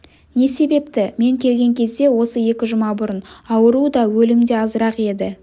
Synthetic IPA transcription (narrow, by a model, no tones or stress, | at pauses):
ne̞se̞be̞p̚t̪ɪme̞ŋkʲʰe̞lɡʲe̞ŋkʲʰe̞zd̪e̞wo̞səje̞kʲɪʒʊmɑbʊɾənɑwəɾud̪ɑwɵlɪmd̪e̞ɑzəɾɑqe̞d̪ɪ